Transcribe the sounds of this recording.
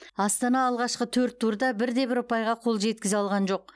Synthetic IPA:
ɑst̪ɑnɑːlˠʁɑʃqət̪ʰɵɾt̪ːʰuɾd̪ɑbɪɾd̪e̞bɪɾʊpɑjʁɑqʰo̞lˠʒe̞t̪̚kʲɪzɪɑlˠʁɑnʒo̞q̚

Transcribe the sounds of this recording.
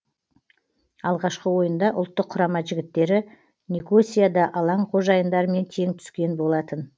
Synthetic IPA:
ɑlˠʁɑʃqəwo̞jənd̪ɑʔʊ̰lˠt̪ːəqʰːʊɾɑmɑʒɪɡʲɪt̪ːe̞ɾɪ | nʲiko̞sʲijad̪ɑʔɑlˠɑɴqʰo̞ʒɑjənd̪ɑɾəme̞nt̪ʰe̞ŋt̪ʰʏ̥skʲe̞nbo̞lˠɑt̪ən

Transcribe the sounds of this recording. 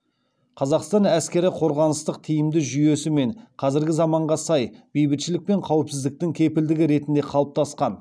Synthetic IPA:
qʰɑzɑqst̪ɑnæskʲe̞ɾɪqʰo̞ɾʁɑnəst̪əqt̪ʰijɪmd̪ɪʒʏje̞sɪme̞ɴqʰɑzɪɾɡʲɪzɑmɑɴʁɑsɑjbejbɪt̪ʃɪlɪk̚pe̞ɴqʰɑwɪpsɪzd̪ɪk̚t̪ɪŋkʲʰe̞pɪld̪ɪɡʲɪɾe̞t̪ɪnd̪e̞qʰɑlˠəp̚t̪ʰɑsqɑn

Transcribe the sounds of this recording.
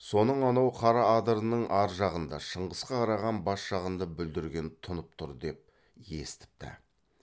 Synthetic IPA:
so̞nəɴɑnɑwqʰɑɾɑːd̪əɾənəɴʔɑɾʒɑʁənd̪ɑʃəɴʁəsqɑqʰɑɾɑʁɑnbɑsʒ̥ɑʁənd̪ɑbʏld̪ɪɾɡʲe̞nt̪ʰʊnəp̚t̪ʰʊɾd̪e̞p̚ | jḛst̪ɪ̥p̚t̪ɪ̰

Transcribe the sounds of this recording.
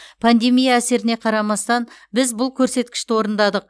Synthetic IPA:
pʰand̪e̞mijaːse̞ɾɪne̞qʰɑɾɑmɑst̪ɑnbɪzbʊlˠkʲʰɵɾse̞t̪kʲɪ̥ʃt̪ɪwo̞ɾənd̪ɑd̪əq̚

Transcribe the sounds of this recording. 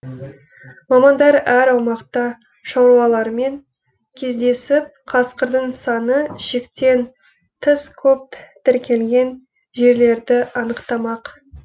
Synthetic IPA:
mɑmɑnd̪ɑɾæɾɑwmɑqt̪ɑ | ʃɑwɾuɑlˠɑɾme̞ŋ | kʲʰe̞zd̪e̞sɪp̚qʰɑsqəɾd̪əɴsɑnəʃekt̪e̞n | t̪ʰəskʲʰɵp̚t̪ʰɪɾkʲʰe̞lɡʲe̞n | ʒe̞ɾle̞ɾd̪ɪʔɑnəqt̪ɑmɑq

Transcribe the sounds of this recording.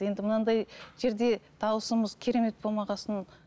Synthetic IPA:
je̞nd̪ɪmənɑd̪ɑjʒe̞ɾd̪e̞d̪̥ʰɑwəsəməzkʲʰe̞ɾe̞me̞t̪̚bolˠmɑʁɑsən

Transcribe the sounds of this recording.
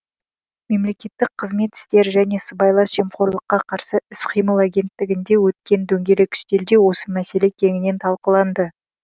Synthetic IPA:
me̞mle̞kʲe̞t̪ːɪk̚qʰəzme̞t̪ɪ̥st̪e̞ɾʒæne̞səbɑjlˠɑsʒe̞mχoɾlˠəqːɑqʰɑɾsəɪsqʰijməlˠaɡʲe̞nt̪ːɪɡʲɪnd̪e̞wɵt̪̚kʲe̞nd̪ɵŋɡʲe̞lɪkʲʰʏ̥ʃt̪e̞ld̪e̞wo̞səmæse̞le̞kʲʰe̞ŋɪne̞nt̪ʰɑlˠqəlˠɑnd̪ə

